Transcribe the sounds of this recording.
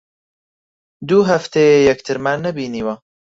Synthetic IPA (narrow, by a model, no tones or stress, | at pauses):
d̪uːɦɐft̪ʰejejɛkt̪ʰɨɾmaːnːɐbiːniːwɐ